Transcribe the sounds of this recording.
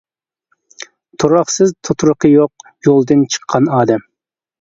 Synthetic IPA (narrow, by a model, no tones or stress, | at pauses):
t̪ʰuɾɑχsɨzt̪ʰut̪ɾəqʰəjoq̚ | jolˠd̪ɨnt͡ʃʰə̥qʰːɑnɑːd̪ɛm